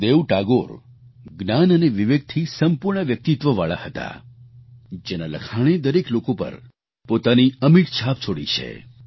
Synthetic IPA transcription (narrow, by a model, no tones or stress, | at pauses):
d̪eʋʈaɡoɾ | ɡnanəneʋiʋek̚t̪ʰisəmpuɾɳəʋjək̚t̪it̪ʋəʋa̰ɭa̰hət̪a̰ | d͡ʒenalə̰kʰaɽ̃ed̪əɾeklokopə̰ɾ | pot̪aniəmiʈt͡ʃʰap̚t͡ʃʰoɽḭt͡ʃʰḛ